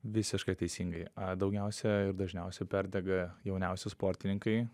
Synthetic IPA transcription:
ʋʲɪsʲɪʃkɐɪt̪ɛɪsʲiːŋɡɐɪɐd̪ɒʊɡʲɛʊsʲɛɪɾd̪ɐʒʲnʲɛʊsʲɛpʲæɾʲd̪ʲɛɡɐjɛʊnʲɛʊsʲʊspoːɾʲt̪ʲɪnʲɪŋkɐɪ

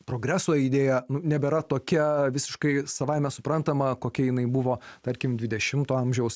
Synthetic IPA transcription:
pɾoːɡɾʲæːsoːid̪ʲeːjɛnʊnʲɛbʲɛɾɐt̪oːkʲiɛʋʲɪsʲɪʃkɐɪsɐʋɐɪmʲɛsʊpɾɐnt̪ɐmɐkoːkʲiɛjɪnɐɪbʊʋoːt̪ɐɾʲkʲɪmdʲʋʲɪd̪ʲɛʃʲɪmt̪oːɐmʲʒʲɛʊs

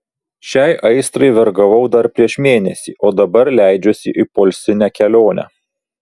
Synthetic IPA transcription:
ʃʲɛˑɪʔɐɪst̪ɾɐɪʋʲɛɾɡɐʋɐʊd̪ɐɾpʲɾʲiɛʃmʲeːnʲɛsʲḭːʔoːd̪ɐbɐɾlʲæˑɪd͡ʒʲosʲɪʔɪpoːlʲsʲɪnʲæːkʲɛlʲoːnʲʔæ̰ː

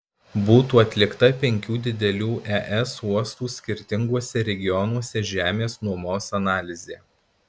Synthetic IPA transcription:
buːt̪uːɐt̪ʲlʲɪkt̪ɐpʲɛŋʲkʲuːd̪ʲɪd̪ʲɛlʲuːʔɛʔɛsuɔst̪uːsʲkʲɪɾʲt̪ʲɪŋɡuɔsʲɛɾʲɛɡʲɪjɔnuɔsʲɛʒʲæːmʲeːsnuɔmoːsɐnɑːlʲɪzʲeː

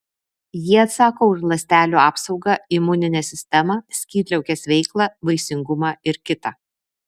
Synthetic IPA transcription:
jiɛɐt̪sɑːkoːʊʃlˠɐsʲt̪ʲæːlʲuːɑːpsɒʊɡɑɪmʊnʲɪnʲɛsʲɪsʲt̪ʲɛmɐsʲkʲiːt̪ʲlʲɛʊkʲɛsʋʲɛɪklˠɑbɐɪsʲɪŋɡʊmɑɪɾkʲɪt̪ɑ

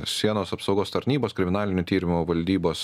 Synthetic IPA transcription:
sʲiɛnoːsɐpsɒʊɡoːst̪ɐɾʲnʲiːboːskɾʲɪmʲɪnɑːlʲɪnʲʊt̪ʲiːɾʲɪmʊʋɐlʲd̪ʲiːboːs

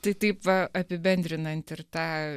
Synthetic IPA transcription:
t̪ɐɪt̪ɐɪpʋɐɐpʲɪbʲɛnʲd̪ʲɾʲɪnɐnʲt̪ɪɾt̪ɑː

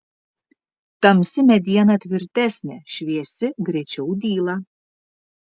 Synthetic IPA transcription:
t̪amsʲimʲɛd̪ʲianat̪ʲvʲiɾt̪ʲɛsʲnʲɛʃvʲiɛsʲɪɡɾit͡ʃɛud̪ʲiːlˠa

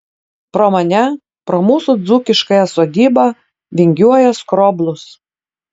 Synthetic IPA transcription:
pɾoːmɐnʲɛ | pɾoːmuːsud̪zuːkʲɪʃkɐjɛsoːd̪ʲiːbɐ | ʋʲɪŋʲɡʲuɔjɛskɾoːblˠʊs

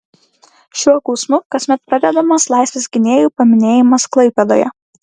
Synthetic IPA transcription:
ʃʲuɔkɔʊsmʊkɐsʲmʲɛt̪̚pɾɐd̪ʲɛd̪ɐmɐslˠɑˑɪsʲʋʲesʲɡʲɪnʲeːjuˑːpɐmʲɪnʲeːjɪmɐsklˠɐɪpʲɛd̪o̰ːjɛ̰

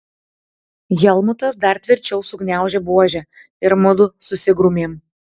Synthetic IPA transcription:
jɛlˠmʊt̪ɐsd̪ɐɾt̪ʲʋʲɪɾʲt͡ʃʲɛʊsʊɡnʲæˑʊʒʲɛbuɔʒʲɛ | ɪɾmʊd̪ʊsʊsʲɪɡɾʊmʲeːm

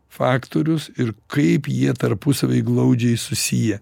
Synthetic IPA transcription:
fɑːkt̪oːɾʲʊsɪɾkɐɪpjiɛt̪ɐɾpʊsɐʋʲɐɪɡlˠɐʊd͡ʒʲɛɪsʊsʲijɛ

